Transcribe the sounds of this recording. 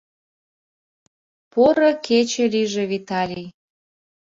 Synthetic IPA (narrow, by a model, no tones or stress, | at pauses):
poɾəkʰet͡ɕeliʒeβit̪ɑlʲi